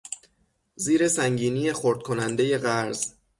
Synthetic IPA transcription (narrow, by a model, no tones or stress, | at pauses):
ziːɾe̞sæŋɟiːniːjexoɾd̪̥̚kʰo̞nænd̪e̞je̞ɣæɾz̥